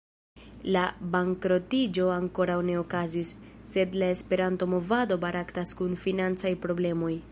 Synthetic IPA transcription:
labaŋkɾo̞tid͡ʒo̞aŋko̞ɾawne̞o̞kazisː | e̞dlae̞spe̞ɾanto̞mo̞vado̞baɾʔaktaskunfinant͡sajpɾo̞ble̞mo̞j

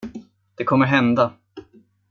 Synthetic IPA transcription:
d̪̥ɛkʰɔmːəɾɦɛnd̪a

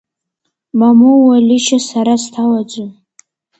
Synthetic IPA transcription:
mamowalʲiʃasaɾastʰalad͡zʷʊ

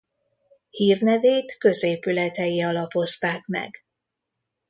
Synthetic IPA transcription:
hiːrnɛveːt̪kø̞zeːpylɛt̪ɛjiɒlɒpo̞st̪aːkmɛ̰ɡ

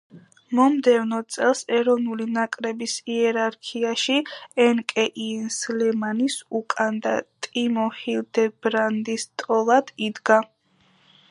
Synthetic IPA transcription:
mɔmd̪ɛvnɔtt̪sʼɛlˠsɛɾɔvnulinakʼɾɛbisiɛɾaɾkʰiaʃiɛnkʼɛʔinslɛmanisukʼand̪a̰t̪ʼimɔhild̪ɛbɾand̪ist̪ʼɔlˠad̪̥id̪ɡa

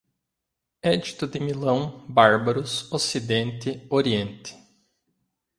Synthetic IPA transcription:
ɛd͡ʒit̪ʊd̪ɪmilɐ̃w̃baɾbɐɾʊsosid̪ẽnt̪ɪoɾiẽnt̪ɪ̥

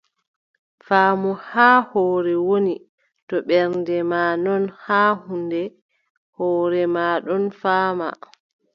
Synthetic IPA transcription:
faːmɔhaːhɔːɾɛwoni | tɔɓɛɾndɛmaːnɔnhaːhundɛ | hɔːɾɛmaːɗɔnfaːma̰

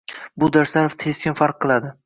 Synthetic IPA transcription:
bʊd̪aɾsaɾoft̪ʰe̞skʲɪnfaɾqʰːɨlˠad̪ɪ

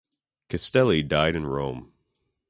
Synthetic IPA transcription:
kʰɨstɛlˠidaɪɾɨ̃nɹõʊ̃m

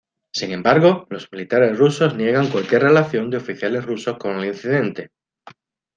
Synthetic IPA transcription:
siŋẽ̞mbaɾɣ̞o̞lo̞zmilit̪aɾe̞srusoznje̞ɣ̞aŋkwalkje̞rre̞laθjo̞nd̪eo̞fiθjale̞zrusosko̞nelin̟θiðe̞nt̪e̞

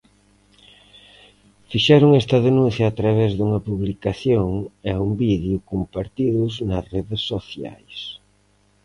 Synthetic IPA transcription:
fiʃɛɾʊŋɛst̪ɐðenũnθjaːt̪ɾaβ̞ɛzðuŋɐpuβlikaθjoŋaumbiðjukumpaɾt̪iðʊznɐreðesːoθja̰js

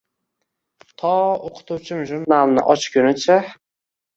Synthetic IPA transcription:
t̪ʰɒoqʰʊ̥t̪ʰuwt͡ʃʰɪmʒʊɾnalˠnɪ̰ʔɒt͡ʃkʰʲʊnɪt͡ʃʰa

